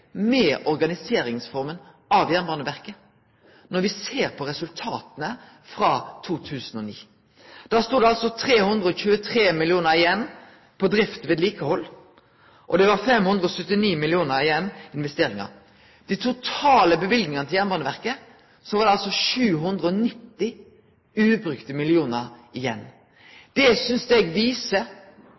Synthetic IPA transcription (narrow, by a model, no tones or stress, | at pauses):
mɛːʔɔɾɡɑnɪseːɾɪŋsfɔʁmən | ʔɑʋjæʁnbɑnəʋæʁkə | nɔɾʋɪseːʁpʰɔʁɛsʉlt̪ʰɑːt̪ənə | fɾɑːt̪ʰuːt̪ʰʉːsənɔniː | d̪̥æːst̪uːd̪ɛɑlsɔt̪ʰɾeːhʉnd̪ʁəɔçʉːət̪ʰɾeːmɪlɪuːnəɾɪjɛnː | pʰɔd̪ɾɪft̪ʋeːd̪liːkəhɔlː | ʔɔ̰d̪ɛʋɑɾfɛmhʉnd̪ɾəɔsœt̪ːɪniːmɪlɪuːnəɾɪjɛnːɪnʋɛst̪eːɾɪŋɑ̰ɾ | d̪̥ɪt̪ʰʊt̪ʰɑːləbəʋɪlɡnɪŋɑnəɪljæːnbɑnəʋæʁkə | sɔʋɑːɾd̪ɛɑlsɔʃʉːɦʉnd̪ʁəɔnɪt̪ːɪ | ʉːbɾʏkt̪əmɪlɪuːnəɾɪjɛnː | d̪̥ɛsʏnsɛɡʋiːsə